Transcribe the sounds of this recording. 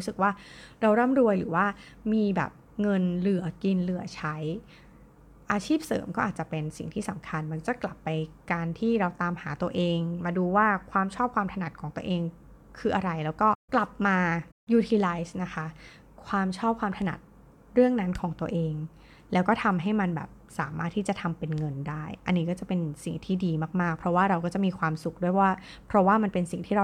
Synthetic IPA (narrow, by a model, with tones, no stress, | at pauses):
ɾsɯ˨˩k̚waː˥˩ɾa˧wɾaː˥˩mɾu˧əjlɯ̰ː˩˦waː˥˩ | miː˧bɛ̰˨˩p̚ | ŋɤ˧nlɯ˩˦ɐki˧nlɯ˩˦ɐt͡ɕʰa˦˥j | ʔaː˧t͡ɕʰiː˥˩p̚sɤ̰ː˩˦mkɔː˥ʔaː˨˩t͡ɕa˨˩pe˧nsḭ˨˩ŋt̪ʰiː˥˩sa˨˩˦mkʰa˧nma˧˥nt͡ɕa˨˩kla˨˩pːa˧jkaː˧nt̪ʰiː˥˩ɾa˧wt̪aː˧mhaː˩˦t̪u˧ɐʔeː˧ŋmaː˧duː˧waː˥˩kʰwaː˧mt͡ɕʰɔː˥˩p̚kʰwaː˧mt̪ʰa˧na˨˩t̪̚kʰɔː˩˦ŋt̪u˧əʔeː˧ŋ | kʰɯː˧ʔa˧ɾa˧jlɛː˦˥wkɔː˥˩kla˨˩p̚maː˧ | juː˧t̪ʰiː˧laː˦˥jsna˦˥kʰa˦˥ | kʰwaː˧mt͡ɕʰɔː˥˩p̚kʰwaː˧mt̪ʰa˧na̰˨˩t̪̚ | ɾɯ˥˩əŋna˦˥nkʰɔː˩˦ŋt̪u˧əʔeː˧ŋ | lɛː˦˥wkɔː˥˩t̪ʰa˧mɦa˥˩jma˧nbɛ̰ː˨˩p̚saː˩˦maː˥˩t̪ʰːiː˥˩t͡ɕa˨˩t̪ʰa˧mpe˧nŋɤ˧ndaː˥˩jʔa˧nːiː˦˥kɔː˥˩t͡ɕa˨˩pe˧nsḭ˨˩ŋt̪ʰiː˥˩diː˧maː˥˩k̚maː˥˩k̚pʰɾɔ˦˥waː˥˩ɾa˧wkɔː˥˩t͡ɕa˨˩ʔmiː˧kʰwaː˧msu˨˩k̚du˥˩jwaː˥˩pʰɾɔ˦˥waː˥˩ma˧npe˧nsi˨˩ŋt̪ʰiː˥ɾa˧